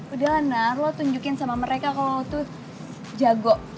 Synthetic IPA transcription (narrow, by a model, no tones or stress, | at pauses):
udaɦanarlat̪uɲd͡ʒukɪnsamaməɾekakalot̪u | d͡ʒaɡɔʔ